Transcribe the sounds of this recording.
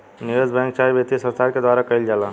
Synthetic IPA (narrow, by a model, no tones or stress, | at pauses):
nijod͡ʒbɛ̃ŋk̚t͡ʃaːibet̪isə̃ɾst̪ʰaɾked̪waːɾakəild͡ʒaːla